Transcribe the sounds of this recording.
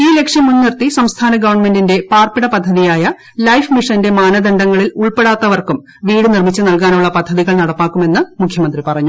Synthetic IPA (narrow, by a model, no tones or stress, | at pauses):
iːle̞kʂjɐmːunːirt̪isɐmst̪ʰaːnɐɡɐʋɐrɳme̞ndinde̞paːrpiɽɐpɐd̪ʱːɐðijaːjɐ | lɐjfmiʂɐnde̞maːnɐd̪ɐɳɖɐŋːɐɭiluɭpeɽaːt̪ːɐʋɐrkum | ʋiːɽɨnirmit͡ɕːɨnɐlkaːnuɭːɐpɐd̪ʱːɐðiɣɐɭnɐɽɐpːaːkːume̞nːɨmukʰjɐmɐnd̪ripɐrɐɲːu